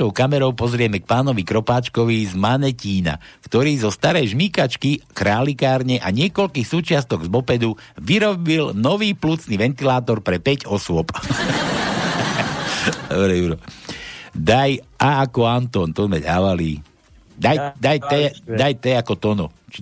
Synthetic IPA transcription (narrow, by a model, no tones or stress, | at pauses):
ɔʊkamɛɾɔʊpɔzɾɪɛmɛk̚paːnɔʋikɾɔpaːt͡ʃkɔʋizmanɛciːna̰kt̪ɔɾiːzɔst̪aɾɛjʒmikat͡ʃkikɾaːlikaːɾɲɛʔaɲɪɛkɔlkiːxsuːt͡ʃɪast̪ɔɡzbɔpɛd̪uʋiɾɔbilnɔʋiːplut͡sniʋɛnt̪ilaːt̪ɔɾpɾɛpɛɟɔsʊɔp | d̪ɔbɾɛuɾɔ | d̪ajʔaakɔant̪ɔnt̪ɔzmɛd̪a̰ːʋalḭː | d̪ajd̪ajt̪ɛajt̪ɛakɔt̪ɔnɔt͡ʃ